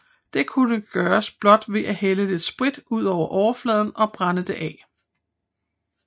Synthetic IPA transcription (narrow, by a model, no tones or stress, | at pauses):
d̥e̝kʰunəɡ̥ɶːɐsb̥lɒ̽d̥ʋe̝ʔæheləd̥e̝sb̥ʁid̥uð̞̰ˠɒʊ̰ɐʔɒʊɐflɛːð̞ˠn̩ɒ̽b̥ʁɑnəd̥e̝ʔɛ